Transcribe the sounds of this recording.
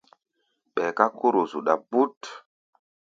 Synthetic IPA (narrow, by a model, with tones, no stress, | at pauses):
ɓɛ˨ka˦ko˦ɾo˨zu˨ɗa˨bu˦t